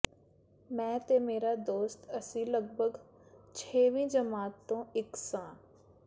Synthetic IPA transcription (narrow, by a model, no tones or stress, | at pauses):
mɛ̃ːt̪eːmeːɾaːd̪oːst̪əsĩːləɡbʱəɡ | t͡ʃʰeːʋĩːd͡ʒəmaːt̪ːõːɪksãː